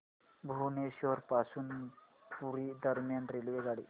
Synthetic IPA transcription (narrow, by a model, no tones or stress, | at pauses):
bʱuneɕoɾpasuːn | puɾid̪əɾmjanɾelʋeɡaɽḭː